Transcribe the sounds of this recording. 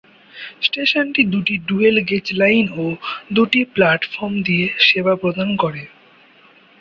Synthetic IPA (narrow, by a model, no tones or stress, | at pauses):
sʈeʃonʈid̪uʈiɖuelɡet͡ɕlajnod̪uʈiplaʈfɔɾmd̪ieʃebapɾod̪ʱankoɾe